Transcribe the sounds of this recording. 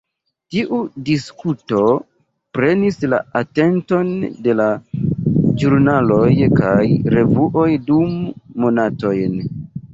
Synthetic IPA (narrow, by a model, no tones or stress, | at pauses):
tiʔudiskuto̞ | pɾe̞nisla̰ate̞nto̞nde̞la | d͡ʒuɾnalo̞jkajɾe̞vuʔo̞jdumːonato̞jn